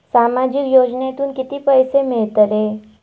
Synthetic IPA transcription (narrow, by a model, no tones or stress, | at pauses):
saːmad͡ʒikjoːd͡ʒnet̪uːnkit̪ipəjsemɪɭt̪əɾe